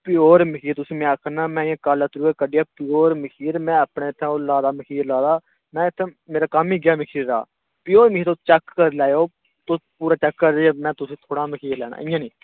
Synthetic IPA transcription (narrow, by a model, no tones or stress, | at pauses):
pɪoːɾmɪkʰiːɾt̪ʊsĩːmɛ̃kʰnaːmɛ̃ːɪãːkaːlət̪ɾuːeːkəɖɪjaːpɪoːɾmɪkʰiːɾmɛ̃ːəpɳeːɪt̪ʰːẽːoːlaːd̪aːməkʰiːɾlaːd̪aː | mɛ̃ːɪt̪ʰːẽmeːɾaːkəmiːɡɪjaːmɪkʰiːɾːa̰ː | pɪoːɾmɪkiːɾt̪oːt͡ʃəkːəɾlɛːjoː | t̪oːpuːɾaːt͡ʃəkːəɾdeeːmɛ̃ːt̪ʊsĩːt̪ʰoːɽaːməkʰiːɾlɛ̰ːna̰ːɪjãːnĩː